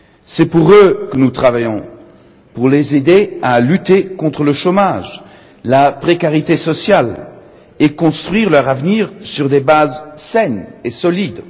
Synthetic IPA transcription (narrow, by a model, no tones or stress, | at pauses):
sɛpuʁøkənut̪χavajɔ̃ | puʁlezed̪ealyt̪ekɔ̃t̪χələʃomaʒ | lapχekaʁit̪esɔsjal | ekɔ̃st̪χɥiʁlœʁavniʁsyʁd̪ebazsɛnesɔlid̪